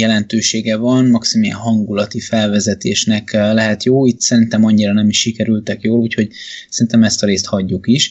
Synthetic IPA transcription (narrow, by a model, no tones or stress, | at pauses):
jɛlɛnt̪øːʃeːɡɛvɒnmɒksimjɛ̰nɦɒŋɡulɒt̪ifɛlvɛzɛt̪eːʃnɛklɛɦɛt̪joːit̪sɛɾint̪ɛmɒɲːiɾɒnɛmiʃːikɛɾylt̪ɛkjoːluːcho̞ɟsɛɾint̪ɛmɛst̪ɒɾeːst̪hɒɟːukiʃ